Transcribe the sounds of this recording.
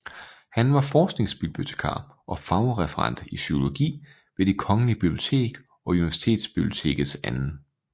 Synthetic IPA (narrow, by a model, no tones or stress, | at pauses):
hænʋɑ̈fɒːsɡ̥ne̝ŋsb̥ibb̥iot͡sʰe̝̥kʰɑ̰̈ː | ʔɒ̽fɑ̈ʊʁɛfəʁɑ̈n̰d̥iɕyo̝lo̝ɡ̥ḭː | ʋe̝d̥ikʰɒ̽ŋəlib̥ib̥lio̝t͡sʰe̝̰ːɡ̥ | ʔɒ̽uniʋæɐsi̥t͡sʰe̝̰ːd̥sb̥ib̥liot͡sʰe̝̰ːɡ̥ð̩ˠsænn̩